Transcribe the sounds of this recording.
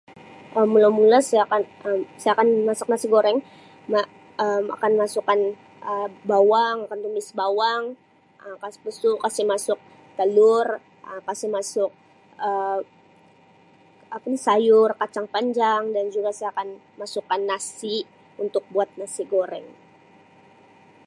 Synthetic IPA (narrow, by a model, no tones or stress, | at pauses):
ʔəmːulawmulasajakanəmsajakanmasʊ̥k̚nasiɡoɾɛŋ | ma | əma̰kanmasukan | ʔəbawaŋakant̪umɪsbawaŋ | əkaspəsukasɪmasʊk̚ | t̪əlʊr | əkasimasʊk̚ | ə | apanisajʊrkat͡ʃaŋpaɲd͡ʒaŋdand͡ʒuɡasajakan | masukanːasi | unt̪ʊk̚buat̪̚nasiɡoɾɛŋ